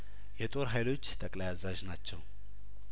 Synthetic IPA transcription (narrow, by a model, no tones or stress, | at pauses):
jɛt̪ʼo̞ɾɦajlo̞t͡ʃːt̪ʰəkʼlajazaʒnat͡ʃːɛw